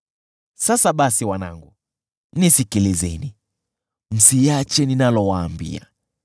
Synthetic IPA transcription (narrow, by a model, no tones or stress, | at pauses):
sasaɓasiwana̰ŋɡu | nisikilizɛni | m̩sijat͡ʃɛninalɔwaːmbḭa̰